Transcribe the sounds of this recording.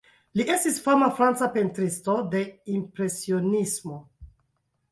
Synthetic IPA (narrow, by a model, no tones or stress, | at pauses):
liʔe̞stisfamafɾant͡sape̞ntɾisto̞de̞impɾe̞sio̞nismo̞